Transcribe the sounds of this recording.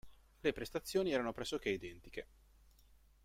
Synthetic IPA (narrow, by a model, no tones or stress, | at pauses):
lepɾest̪at̪sːjoːniɛːɾanopɾɛsːok̟eid̪ɛnt̪ik̟e